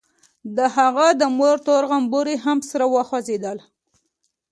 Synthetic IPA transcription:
d̪əɦaɣad̪əmoɾt̪oɾɣambuɾiɦamsaɾawɑxwazed̪əl

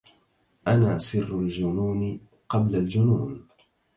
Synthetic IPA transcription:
ʔanaːsɪrːʊld͡ʒʊnuːn | qɑblald͡ʒʊnuːn

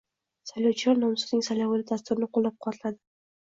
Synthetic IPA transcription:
sajlʲawt͡ʃʰilˠaɾnomsuznɪŋsajlʲawalʲɪd̪ast̪ʊɾɪnɪqʰolˠːɑp̚qʰwat̪ʰlˠad̪ɪ

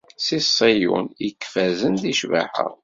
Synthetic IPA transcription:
sisˤijṵnikːfæzənðiʃva̰ħə̰ʁ

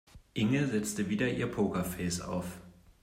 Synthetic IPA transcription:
ʔɪŋəzɛt͡stəviːɾɐʔiːɐpʰoːkɐfɛːsa̰ʊf

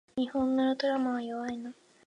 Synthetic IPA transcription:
ɲihõnːonot̪oɾamaβajoβaino

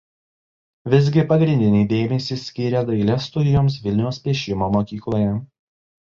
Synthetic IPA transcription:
ʋʲɪzʲɡʲɪpɐɡɾʲɪnʲd̪ʲɪnʲɛɪd̪ʲeːmʲɛsʲiːsʲkʲiɾʲɛd̪ɐɪlʲɛst̪ʊɪjoːms̬ʋʲɪlʲnʲɛʊspʲiːʃʲɪmoːmoːkʲiːklˠoːjɛ

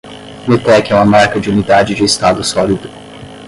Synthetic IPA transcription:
met̪ɛkɛũmɐmaɾkɐd͡ʒɪunid̪ad͡ʒɪd͡ʒɪist̪ad̪ʊsɔlid̪ʊ

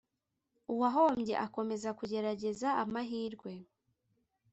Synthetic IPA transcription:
uwaɦo̞ːmɟe̞̰ʔako̞me̞zakuɟe̞ɾaɟe̞zaamaɦiːɾɡwe̞

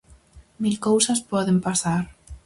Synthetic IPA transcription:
milkowsaspɔðempasaɾ

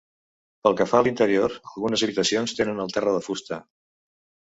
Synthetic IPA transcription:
pəlˠkəfaːlint̪əɾioɾəlˠɣunəzəβit̪əsionst̪enənəlˠt̪ɛrəðəfust̪ə

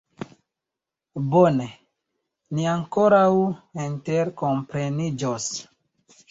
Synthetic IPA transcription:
bone̞ | niaŋko̞ɾawinte̞ɾko̞mpɾe̞nid͡ʒos

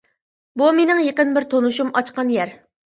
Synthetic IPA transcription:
bumenɪŋjeqənbɪɾt̪ʰonuʃumɑt͡ʃqɑnjɛɾ

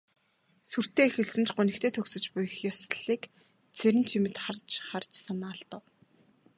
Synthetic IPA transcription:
sur̥t̪eːexɘ̆ɮsɘ̆nt͡ɕʰɢʊnɘ̆kt̪ʰeːt̪ʰɵksɵ̆t͡ɕpʊj̆xjɔsɮiːk | t͡sʰeɾɘ̆nt͡ɕʰimɘ̆t̪χart͡ɕχart͡ɕsanaːɮt̪ə̆w

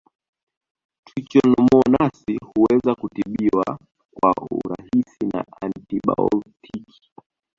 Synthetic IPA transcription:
twit͡ʃɔnɔmɔnasihuwɛzakutiɓiwa | kwaṵɾa̰hisina̰antiɓa̰ɔltʰikʰi̥

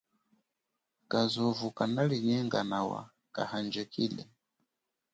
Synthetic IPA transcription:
kazɔvukanaliɲɛŋɡanawa̰ | ka̰hand͡ʒɛkilɛ

